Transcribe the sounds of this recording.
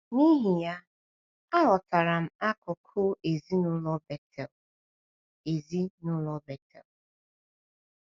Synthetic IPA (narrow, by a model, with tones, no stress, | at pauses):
ni˦ɦi˨ja˦ | a˦ɦɔ˨ta˨ɾa˨m̩˨a˦kʊ˨kʰʊ˦ʔe˨zi˦nʊ˦lɔ˦bɛ˨tʰɛ˨l | e˨zi˦nʊ˦lɔ˨bɛ˨tɛ̰˨l